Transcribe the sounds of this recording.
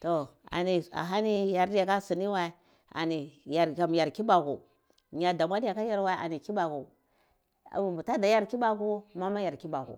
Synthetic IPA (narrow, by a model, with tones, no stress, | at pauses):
to˨a̰˨ni˨a̰˨ɦa˦ni˦ja˨ɾdi˦ja˨ka˦si˨ni˦wa˦i˦ | a̰˨ni˨ja˨ɾka˨m˨ja˨ɾki˦ba˨kṵ˨ | ɲa˨da˨mʷa˦di˦ja˨ka˦ja˦ɾwa˦ʔa̰˨ni˨ki˦ba˨ku˨ | a̰˨mu˨ta˦da˨ja˦ɾki˦ba˦ku˦ma˦ma˦ja˨ɾki˦ba˨kṵ˨